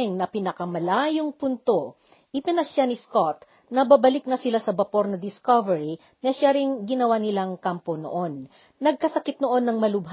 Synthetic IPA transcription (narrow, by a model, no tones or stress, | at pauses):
ŋnɐpinɐkɐmɐlaːjoŋpʊnt̪o | ʔɪpɪnɐʃjanɪskot̪̚ | nɐbabɐlɪk̚nɐsɪlasɐbɐpo̞ɾnɐd̪ɪskovɛɹi | nɐʃjaɾɪŋɡɪnɐwanɪlaŋkampono̰ʔonː | ɐɡ̚kɐsɐkɪt̪̚noʔo̞nːɐŋmɐlʊbɦ